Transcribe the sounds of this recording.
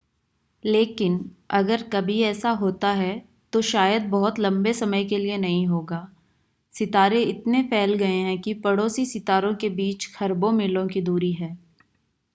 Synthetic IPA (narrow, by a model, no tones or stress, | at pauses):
leːkɪnɐɡəɾkɐbʱiɛːsaɦoːt̪aɦɛ | t̪oʃaːjəd̪̚bɐɦʊt̪lɐ̃mbesɐməjkelienɐɦĩɦoːɡaː | sɪt̪aːɾẽɪt̪nepʰɛːlɡɐeɦɛ̃kipɐɽoːsisɪt̪aːɾõkebiːt͡ʃxʰɐɾbõmɪlõkid̪uːɾiɦɛː